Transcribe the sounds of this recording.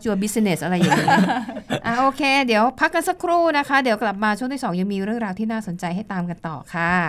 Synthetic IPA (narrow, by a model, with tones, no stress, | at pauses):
t͡ɕu˧ɐbi˦˥si˧ne˨˩sʔa˧ɾa˧ja˨˩ŋ˦˥ʔaː˧˩ʔoː˧kʰeː˧di˩˦əwpʰa˦˥kːa˧nsa˧˥kʰɾuː˥˩na˦˥kʰa˦˥d̪i˩˦wkla˨˩p̚maː˧t͡ɕʰu˥˩ŋt̪iː˥˩sɔː˩˦ŋja˧ŋmiː˧ɾɯ˥˩əŋɾaː˧wt̪ʰiː˥˩naː˥˩so˨˩˦nt͡ɕa˧jɦa˥˩jt̪aː˧mka˧nt̪ɔ̰ː˨˩kʰa˥˩